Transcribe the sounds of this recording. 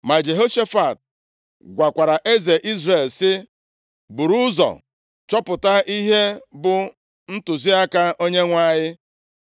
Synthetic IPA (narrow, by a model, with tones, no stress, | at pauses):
ma˨d͡ʒe˨ɦo˦ʃe˦fa˨t̚ | ɡʷa˨kʷa˨ɾa˨ʔe˦ze˨ʔi˦zɾe˦˨lsɪ˦ | bu˨ɾu˦zɔ̰˨ | t͡ʃɔ˦pʊ˨ta˦ʔi˦ɦe˦bʊ˨ | n̩˦tʊ˨zi˦a˦ka˦o˦ɲe˦ŋʷa˦ɲɪ˦